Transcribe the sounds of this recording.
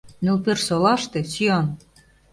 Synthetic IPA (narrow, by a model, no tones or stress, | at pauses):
nulpersolɑʃt̪ĕsyɑn